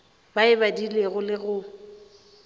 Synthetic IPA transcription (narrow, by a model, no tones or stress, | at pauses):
baɪbadileɣʊlɪɣʊ